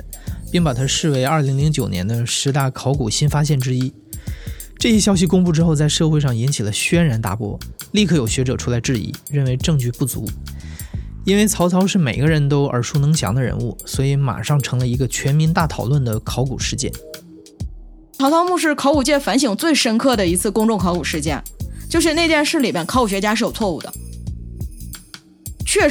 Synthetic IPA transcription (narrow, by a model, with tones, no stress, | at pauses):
pi˥˩ŋpa˨˩t̪ʰa˥ʂɻ̩˥˩we˧˥ɪɐ˞˥˩li˧˥ŋli˧˥ŋt͡ɕjo˨˩ʊnjɛ˧˥nd̪ə˧ʂɻ̩˧˥t̪a˥˩kʰɑ˧˥ʊku˨˩ɕi˥nfa˥ɕ̬jɛ˥˩nʈ͡ʂɻ̩˥i˥ | ʈ͡ʂɤ˥˩ɕjɛ˥ɕjɑ˥ʊɕ̬i˧kʊ˥ŋpu˥˩ʈ͡ʂɻ̩˥xo˥˧t͡sa˥˧ɪʂɤ˥˧xwe˥˧ɪʂɑ˥˩ŋi˧˥nt͡ɕʰi˨˩lə˦ɕɥɛ˥nɻa˧˥nt̪a̰˥˩pwɔ̰˥li˥˧kʰɤ˥˩jo˨˩ʊɕɥɛ˧˥ʈ͡ʂɤ˨˩ʈ͡ʂʰu˥la˧˥ɪʈ͡ʂɻ̩˥˩ḭ˧˩˦ɻə˥˩nwe˧˥ɪʈ͡ʂɤ˥˧ŋt͡ɕy˥˧pu˥˩t͡sṵ˧˥ | i˥nwe˥˩ɪt͡sʰɑ˧˥ʊt͡sʰɑ˧˥ʊʂɻ̩˥˩me˨˩ɪɡə˦ɻə˧˥nt̪o˥ʊʔə̰˞˨˥ʂʰu˥nɤ˧˥ŋɕjɑ̰˧˥ŋd̪ə˧ɻə̰˧˥nu˥˩swɔ˧˥i˧˥ma̰˨˩ʂɑ˥˩ŋʈ͡ʂʰɤ˧˥ŋlə˧i˧˥ɡə˧t͡ɕʰɥɛ˧˥nmi˧˥nt̪a˥˩t̪ʰɑ˨˩ʊlwə˥˩nd̪ə˩kʰɑ˧˥ʊkṵ˨˩ʂɻ̩˥˧t͡ɕjɛ̰˥˩n | t͡sʰɑ˧˥ʊt͡sʰɑ˧˥ʊmu˥˧ʂ̬ɻ̩˥˩kʰɑ˧˥ʊku˨˩t͡ɕjɛ˥˩nfa˧˥nɕ̬i˨˩ŋt͡swe˥˩ɪʂə˥nkʰɤ˥˩d̪ə˩i˧˥t͡sʰɹ̩˥˩kʊ˥ŋʈ͡ʂʊ˥˩ŋkʰɑ˧˥ʊku˨˩ʂɻ̩˥˧t͡ɕjɛ̰˥˩nt͡ɕjo˥˧ʊʂ̬ɻ̩˥˧ne˥˧ɪt͡ɕjɛ˥˧nʂɻ̩˥˩li˨˩pja˥˩nkʰku˨˩ɕɥɛ˧˥t͡ɕja˥ʂɻ̩˥˩jo˨˩ʊt͡sʰwɔ˥˧ṵ˥˩d̪ə̰˩ | t͡ɕʰɥɛ˥˩